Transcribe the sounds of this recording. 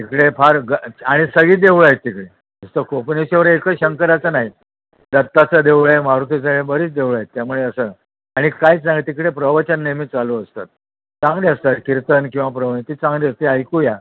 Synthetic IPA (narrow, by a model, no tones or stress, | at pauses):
t̪ikɽefʰaɾɡəaɽ̃isəɡiːd̪eʋɭajet̪̚ːikɽe | əst̪əkʰopəɳeɕeʋəɾekəɕəŋkəɾat͡sənaɦi | d̪ət̪ːat͡səd̪eʋɭaemaɾut̪ʰet͡səɡɭebəɾiːt͡sd̪ewɭajet̪̚t̪jamuɭeəsə | aɽ̃ikajt͡sãŋɡet̪ikɽepɾəʋət͡ɕənːemiːt͡saluəst̪at̪̚ | t͡sãŋɡliəst̪at̪kiɾt̪ənkĩw̃ʋapɾəʋnet̪iːt͡sãŋɡliəst̪eajkuja